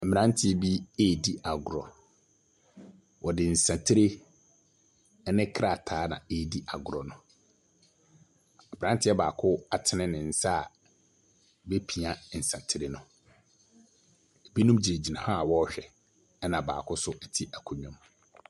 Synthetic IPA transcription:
mɪ̃˨nã˦n˦tʰɪ˦ɛ˨bi˦eː˦˨di˦a˨ɡʊ˨ɾɔ̰˨ | wɔ˨dɪ˨n̩˨sã˨tʰɪ˦ɾe˦ | ɛ˦nɪ̃˦kʰɾa˦˨tʰaː˨˦nã̰˨e˦˨di˦ʔa˨ɡʊ˨ɾɔ˨nʊ̃˨ | a˨bɪ˨ã˦n˦tʰɪ˦ɛ˦ba̰ː˨kʰʊ˦a˨tʰɪ˦nɪ̃˦nɪ̃˨n̩˦sa˦˨ | be˦pʰi˨a˨n̩˨sã˨tʰɪ˦ɾe˦nʊ̃˨ | bi˦nũ˦md͡ʑi˨e˨d͡ʑi˨nã˨ha˦˨wɔ˦ɕᶣɛ˨ | ɛ˦nã˨ba̰ː˨kʰʊ˦sʊ˦ɛ˨tʰi˦ʔæ˨kʰʊ˨ɲᶣɔ̃˦m

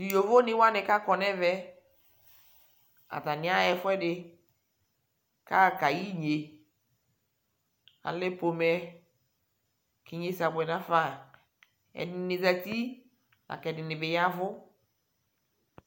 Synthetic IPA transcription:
di˨jo˨vo˦nɪ˦wa˦nɪ˨ka˦kɔ˨nɛ˦vɛ˦ | a̰˨ta˨nɪ˨˦a˦ɛ˨fʊ˦ɛ˦dɪ˨ | ka˦˨ka˨ji˦ɲe˨ | a̰˨lɛ˦po˨mɛ˦ | ki˨ɲe˦sa˨bɛ˨nã˦fa˦˨ | ɛ̰˨dɪ˨nɪ˨za˨ti˦ | a̰˨kɛ˨dɪ˨nɪ˨bɪ˨ja˦vʊ˦

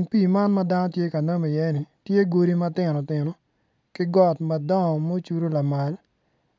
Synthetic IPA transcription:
ŋpiː˦˨ma˦nmɐ˦da˦nɔ˦tje˦ka˨na˦mi˨jɛ˦nɪ˨tje˦ɡo˦ɾi˦mɐ˦tɪ˨nɔ˨tɪ˨nɔ˨ | kɪ˦ɡɔ˦tmɐ˨dɔ˦ŋɔ˨mo˦t͡ʃu˦ɾo˦la˨ma˨l

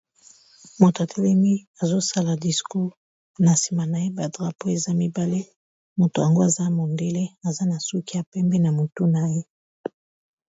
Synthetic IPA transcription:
mo˨to˨a˨tʰe˦lɛ˦mi˦ | a˨zo˦sa˦la˨di˨sku˦ | na˨si̥˨ma˨na˨je˦ba˨dʁa˨po˦e˨za˦mi˦ba˦le˦ | mo˨to˨a˨ŋɡo˦a˨za˦mo˨nde˦le˦a˨za˦na˨su˦ki˦a˨pɛ˦mbɛ˦na˨mo˨to˦na˨je˦

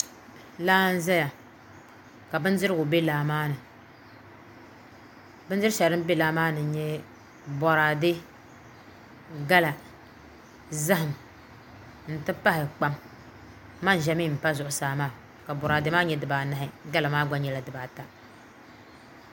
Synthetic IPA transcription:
laː˦n̩˦za˦ja˨ | ka˨bɨ˦n˦zɨ˦ɾɨ˦ɡʊ˨be˦laː˨maː˦nɨ˨ | bɨ˦n˦zɨ˦ɾʃɛ˨ɾɨ˦m˦be˦laː˦maː˦nɨ˨˦ɲɛ˦ | bɔ˨ɾaː˨dɪ˦ | ɡa˦la˨ | za˦ɦɪ˨m | n̩˨tɨ˦pa˦hɪ˨k͡pa˦m | ma˦n˨ʒɛ˦mi˦˨m̩˨pa˦zʊ˨ʔʊ˨saː˨maː˦˨ | ka˨bɔ˨ɾaː˨dɨ˦maː˦ɲɛ˦dɨ˨baː˨na˦ɦɪ˦ɡa˦la˨maː˦ɡ͡ba˦ɲɛ˦la˨dɨ˨baː˨ta˨

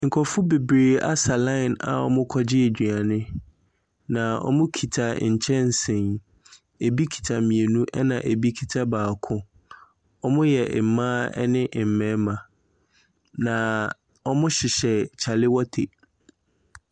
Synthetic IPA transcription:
ŋ̩˨kʰɔ˨fʊ˦be˨bɾeː˨a̰˦sa˨lã˦ɪ˨na̰˨ɔ̰˦mʊ̃˦kʰɔ˦d͡ʑɪ˦e˨d͡ʑᶣɥa˨nɪ̃˦ | nã˨ɔ̰˦mʊ̃˦kʰi˨tʰa̰˨ɲ̩˨t͡ɕʰɛ̃˦n̩˨sɪ̃˨n | e˨bi˦kʰi̥˨tʰa˨mĩ˨e˨nũ˦ʔɛ˦nã̰˨ʔe˨bi˦kʰi˨tʰa˦baː˨kʰʊ̃˦ | ɔ˦mʊ̃˦jɛ˨ʔmãː˦ɛ̰˦nɪ̃˦ʔm̩˨mɛ̃˨˦mã˨ | nã˨ | ɔ˦mʊ̃˦ɕɪ˨ɕɛ˨t͡ɕʰa˨lɪ˦wɔ˦tʰe˨

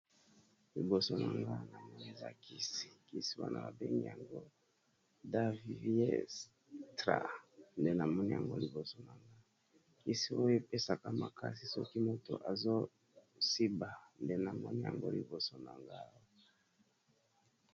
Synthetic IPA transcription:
li˨bo˨so˨na˨ŋɡa˦na˨nɛ˦ne˦za̰˨ki˦si̥˨ki˦si˦wa̰˦nʔa̰˨ba˨be˦ŋɡḭ˨ja˨ŋɡo˦ | da˦vi˨vi˦ḛ˦ | tʁa̰˨nde˦na˨mɔ˦ni˦ja˨ŋɡo˦li˨bo˨so˨na˨ŋɡa˦ | ki˦si˦o˦jo˦pe˦sa˨ka˦ma˨kʰa˦si˨sɔ˦ki˦mo˦to̰˨ʔa˨zo˦ | si˦ba˨nde˦na˨mɔ˦ni˦ja̰˨ŋɡo̰˦li˨bo˨so˨na˨ŋɡa˦

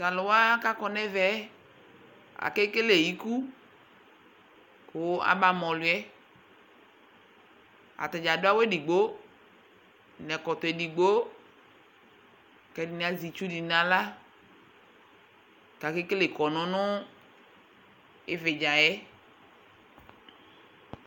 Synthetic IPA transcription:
sa˨lʊ˨wa˦ka˦kɔ˨nɛ˦vɛ˦ | a̰˨ke˦ke˦le˨ji˦ku˦ | kʊ˨a̰˨ba˨mɔ̃˨lʊ˨˦ɛ˦ | a̰˨t̪a˨d͡ʒa˨dʊ˦a˦we˦di˨ɡ͡bo˦ | nɛ̃˨kɔ˨t̪ɔ˨e˨di˨ɡ͡bo˦ | kɛ˨˦di˨ni˨a˨zi˨t͡ʃu˦di˨nã˨la˦ | ka˨ke˦ke˦le˨kɔ˨nɔ̃˨nʊ̃˦ | ḛ˦ve˨d͡ʒa˨jɛ˦

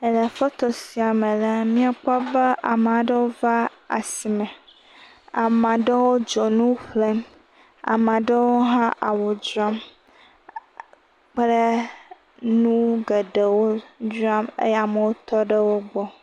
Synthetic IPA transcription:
ə˨lə˨fɔ˦t̪ɔ˨si˨a˨mə̃˨la˦mĩ˦a˨k͡pɔ˦bə˦ʔa˨m˨a˨ɖə˦wo˦va˦ | a̰˨si˨mɛ̃˨ | a̰˨mã˨ɖə˦wo˦d͡ʒɔ˨nũ˦ɸle˦m | a̰˨mã˨ɖə˦wo˦ɦã˦ʔa˨wo˨d͡ʒu˦a˦m | k͡plə˦ | nũ˦ɡə˨ɖə˨wo˦d͡ʒu˦a˦mḛ˦ja˨mə˨wo˦t̪ɔ˦ɖə˦wo˦ɡ͡bɔ˦

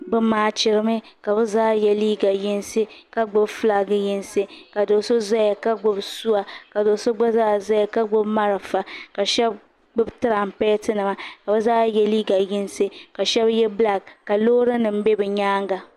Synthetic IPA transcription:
bɨ˦maː˨˦t͡ʃɪ˨ɾɨ˦mɨ˦ | ka˨bɛ˦zaː˦jɛ˦liː˦ɡa˨ji˦nse˦ka˦ɡ͡bʊ˦bfla˦ɡɨ˦ji˦nse˦ka˨do˨so˦za˦ja˨ka˦ɡ͡bʊ˦bsu˦a˨ka˨do˨so˦ɡ͡ba˦zaː˦za˦ja˨ka˦ɡ͡bʊ˦bma˦ɾa˨fa˨ka˨ʃɛ˦b | ɡ͡bʊ˦btɨ˦ɾa˨m˨pɛː˦tɨ˦nɨ˨ma˨ka˨bɨ˦zaː˦jɛ˦liː˦ɡa˨ji˦nse˦ka˨ʃɛ˦bjɛ˦bla˦˨kkːa˨loː˦ɾɨ˦nɨ˨m̩˦be˦bɛ˨ɲaː˦ŋɡa˨

